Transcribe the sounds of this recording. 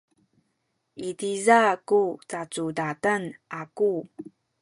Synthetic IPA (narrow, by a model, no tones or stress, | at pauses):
ʔitizakut͡sat͡sudatənʔaku